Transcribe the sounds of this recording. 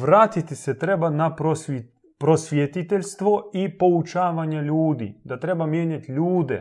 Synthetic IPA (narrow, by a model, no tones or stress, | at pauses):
ʋɾaːt̪it̪isɛt̪ɾebanapɾosi | pɾosʋʲjet̪it̪elʲst̪ʋoipo̞ut͡ʃaːʋaɲeʎuːd̪ḭd̪at̪ɾebamjeːɲat̪ʎuːd̪ɛ̰